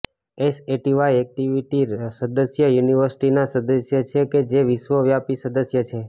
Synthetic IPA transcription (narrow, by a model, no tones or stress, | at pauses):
eseʈiʋaiɛk̚ʈiʋiʈisəd̪əsjəjuniʋəɾsi̥ʈinasəd̪əsjət͡ʃʰeked͡ʒeʋiʃʋəʋjapisəd̪əsjət͡ʃʰe